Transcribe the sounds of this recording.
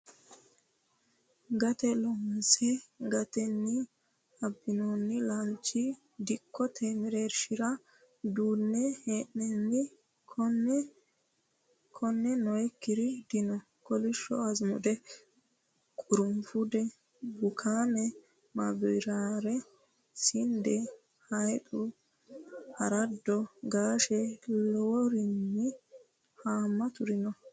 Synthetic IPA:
ɡɐt̪ɛlɔmsɛɡɐt̪ɛnːɪ | ɐbːɪnonːɪlɐnt͡ʃːɪ | d̪ɪkːɔt̪ʰeːmɪɾeɾʃɪɾɐ | d̪uːnːɛheːʔnɛnːɪ | kɔn | kʰɔnːɛnɔjɛkːɪɾɪd̪̥ɪnɔ | kɔlɪʃːɔ̰ɐzmʊ̰d̪ɛ | kʼʊɾʊmfʊd̪ɛ | bʊkʰaːmɛ | mabɔjɾaːɾɛ | sɪnd̪ɛ | hɐjt̪ʼʊ | hɐɾɐd̪ːɔɡaːʃɛlɔwɔɾɪnːɪ | haːmːɐt̪ʊɾɪnɔ

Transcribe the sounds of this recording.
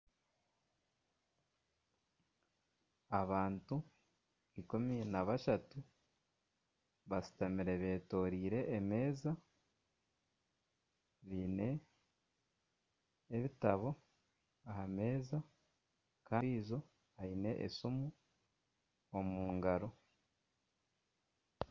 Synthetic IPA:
aβaːntu | ikuminaβaʃatu | βasi̥tamiɾe̞βe̞ːto̞ːɾiːɾe̞ʔːme̞ːza | βiːne̞ | βitaβo̞ | ahame̞ːza | kaːiːzo̞ | aine̞ʔḛsumu | omuːŋɡaɾo̞

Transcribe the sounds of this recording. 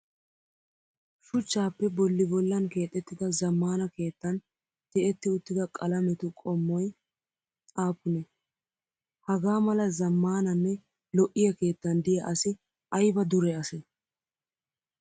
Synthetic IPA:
ʃʊt͡ʃːaːpːɛbɔlːɪbɔlːɐnke̞ːt̪ʼːɛt̪ːɪd̪ɐzɐmːaːnɐke̞ːt̪ːɐn | t̪ɛʔɛt̪ːɪʊt̪ːɪd̪ɐkʼɐlɐmɛt̪ʊkʼɔmːɔj | aːpːʊnɛ | hɐɡaːmɐlɐzɐmːaːnɐnːɛ | lɔʔːɪjɐke̞ːt̪ːɐnd̪ɪjɐʔɐsɪ | ʔɐjbɐd̪ʊɾɛɐsɛ

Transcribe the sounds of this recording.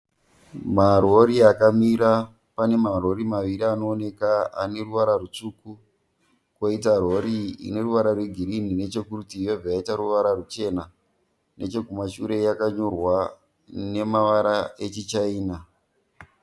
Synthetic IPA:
maro̞ɾiakamiɾa | pane̞maro̞ɾimaʋiɾiano̞ːne̞kaa̰ne̞ruʋaɾarut͡ʂuku | kwoitaroɾḭne̞ruʋaɾarweɡʱiɾinine̞t͡ʃe̞kutijovʱaaitaɾuʋaɾarut͡ʃe̞na | ne̞t͡ʃe̞kumaʃuɾe̞jakaɲo̞rwa | ne̞maʋaɾaet͡ʃit͡ʃaiːna

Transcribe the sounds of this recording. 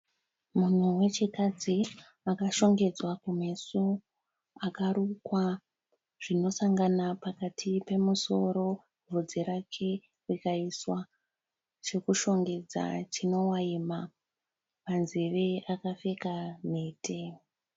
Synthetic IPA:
mun̤uwe̞t͡ʃikad͡zi | akaʃo̞ŋɡe̞d͡zwakume̞su | akaɾukwa | ʐ̥ino̞saŋɡanapakatʰipe̞muso̞ɾo̞ | vʱud͡ziɾakʰe̞ | rikaiswa | t͡ʃe̞kuʃo̞ŋɡe̞d͡za̰t͡ʃino̞waima | panziʋeakafe̞kametʰe

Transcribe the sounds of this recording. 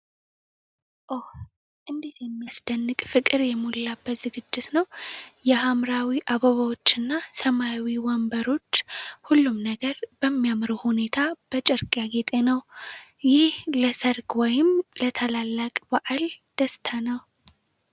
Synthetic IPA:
ʔoh | ʔɨnd̪et̪jɛmːijasd̪̥ənːɨkʼfɨkʼɨɾjɛmulːabːət̪z̥ɨɡɨd͡ʒːɪt̪nəwjɛhamɾawiʔaβəβawo̞t͡ʃːɨnːasəmawiwɔmbəɾo̞t͡ʃːhulːumnəɡəɾb̥əmːijamɾuhune̞t̪ʰab̥ət͡ʃʼɛɾkʼjaɡe̞t̪ʼe̞nəwjɪhləsəɾkwɔjɪmlət̪ʰəlalːakʼbaʔald̪̥əst̪ʰanəw

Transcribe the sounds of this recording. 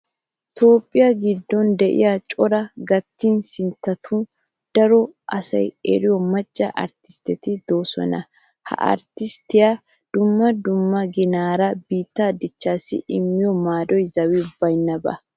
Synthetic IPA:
t̪o̞ːpʼːɪjɐɡɪd̪ːɔnd̪ɛʔɪ̰jat͡ʃʼɔɾɐɡɐt̪ːiːnsɪnt̪ːɐt̪ʰu | d̪̥ɐɾɔʔɐsɐ̰jɛ̰ɾɪjɔmɐt͡ʃʼːɐ̰ʔɐ̰ɾt̪ɪ̥st̪ɛt̪ɪd̪o̞ːsɔ̰nɐ | hɐ̰ʔɐ̰ɾt̪ɪst̪ːɪja | d̪̥ʊmːɐd̪ʊmːɐɡɪnaːɾɐbiːt̪ːad̪ɪt͡ʃːaːsɪ̰ʔɪmːɪjɔmaːd̪ɔjzɐwɪbɐjnːɐbɐ̰

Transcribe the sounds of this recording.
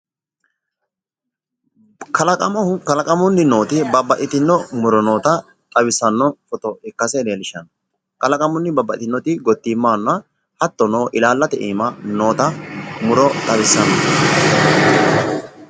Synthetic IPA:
kɐlɐkʼɐmɔʊkɐlɐkʼɐmʊnːɪno̞ːt̪ɪbɐbːɐʔɪt̪ɪnːɔmʊɾɔno̞ːt̪ɐ | t̪ʼɐwɪsːɐnːɔfɔt̪ɔɛkːɐsɛdeːlɪʃɐn | kɐlɐkʼɐmʊnːɪbɐbːɐʔɪ̰t̪ɪnːɔt̪ɪɡɔt̪ːimːaːnːɐ | hɐt̪ːɔnoːʔɪlaːlːɐt̪ɛʔiːmɐno̞ːt̪ɐmʊɾɔt̪ʼɐwɪsːɐnɔ

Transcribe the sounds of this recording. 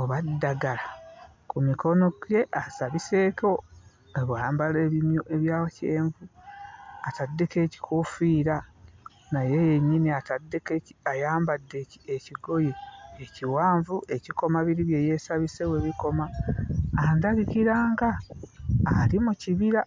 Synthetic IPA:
oβadːaɡala | kumiko̞no̞ɡje̞ʔasaβise̞ːko̞ | eβwaːmbale̞ːβimjuʔe̞βjaːwoceːɱvu | atadːeke̞ːci̥kʰofiːɾa | najejeɲːiniatadːekeajaːmbadːeeciɡo̞jeːciwaːɱvueciko̞maβiɾiβje̞je̞saβise̞we̞βiko̞ma | andaɡikiɾaːŋɡaː | limuciβiɾa

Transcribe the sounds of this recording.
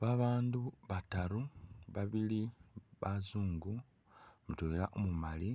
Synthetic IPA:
βaβaːnduβataɾuβaβiliβazuːŋɡu | mutoila̰ʔomumali

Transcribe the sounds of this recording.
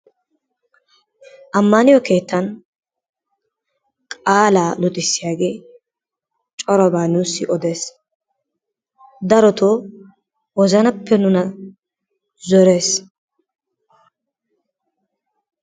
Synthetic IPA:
ʔɐmːɐnɪjɔke̞ːt̪ːɐn | kʼaːlaːlʊt̪ʼɪsːɪjaːɡe̞ː | t͡ʃʼɔɾɔbaːnuːsːɪʔɔd̪e̞ːs | d̪ɐɾɔt̪ʰoː | wɔzɐnɐpːɛnʊnɐ | zɔɾe̞ːs

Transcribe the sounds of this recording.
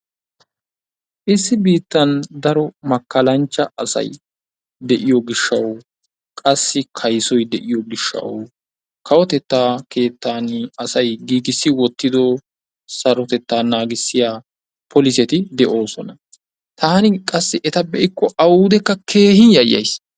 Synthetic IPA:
ʔɪsːɪbiːt̪ːɐnd̪ɐɾɔmɐkːɐlɐnt͡ʃːɐɐsɐ̰j | d̪ɛʔɪjɔɡɪʃːɐw | kʼɐsːɪkʰɐjsɔjd̪ɛʔɪjɔɡɪʃːɐ̰w | kʰɐwɔt̪ɛt̪ːaːkʰe̞ːt̪ːaːnɐsɐjɡiːɡ̪ɪsːɪwɔt̪ːɪd̪ɔ | sɐɾɔt̪ɛt̪ːaːnaːɡɪsːɪjaː | pʰɔlɪsɛt̪ɪd̪ɛʔo̞ːsɔnɐ | t̪ʰaːnɪkʼɐsːɪʔɛt̪ɐbɛʔɪkːɔɐwuːd̪ɛkːɐkʰe̞ːhɪnjɐjɐ̰js

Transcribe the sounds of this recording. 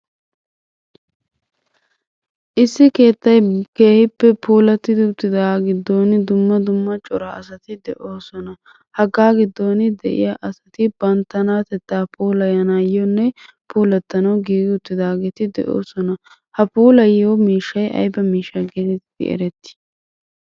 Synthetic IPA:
ʔɪsːɪke̞ːt̪ːɐjke̞ːhɪpːɛpʰuːlɐt̪ːɪd̪ɪʊt̪ːɪd̪aːɡɪd̪ːo̞ːnɪd̪ʊmːɐd̪ʊmːɐt͡ʃʼɔɾɐɐsɐt̪ɪd̪ɛʔo̞ːsɔnɐ | hɐɡaːɡɪd̪ːo̞ːnɪd̪ɛʔɪ̰jaʔɐsɐt̪ɪbɐnt̪ːɐnaːt̪ɛt̪ːaːpʰuːlɐjɐnaːjɔnːɛ | puːlɐt̪ːɐnɐwɡiːɡɪʊt̪ːɪd̪aːɡeːt̪ɪd̪ɛ̰ʔoːsɔnɐ | hɐpuːlɐjomiːʃːɐjʔɐ̰jbɐmiːʃːɐɡet̪ɛt̪ɪd̪̥ɪ̰ɛ̰ɾɛt̪ːɪ̥

